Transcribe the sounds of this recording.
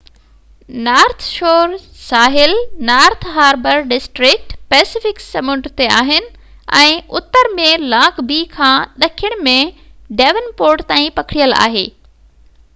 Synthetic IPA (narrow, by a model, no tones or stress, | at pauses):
naːɾt̪ʰʃoːɾsaːɦɪlnaːɾt̪ʰɦaːɾbəɾɖɪsʈɾɪk̚ʈpɛːsɪfɪksɐmʊ̃ɳɖɾt̪ea̰ːɦɪnɪ̆ | ɛ̃ːʊt̪əɾmẽlãːkbiːkʰãːɗɐkʰijəɽ̃mẽɖɛːʋənpoːɾʈt̪aːĩpɐkʰɪɽijəla̰ːɦeː